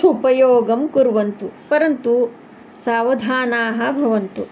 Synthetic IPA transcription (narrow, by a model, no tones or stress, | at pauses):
upɐjoːɡɐmkuɾʋɐnt̪upɐɾɐnt̪u | saːʋɐd̪ʱaːnaːɦɐ̆bʱɐʋɐnt̪u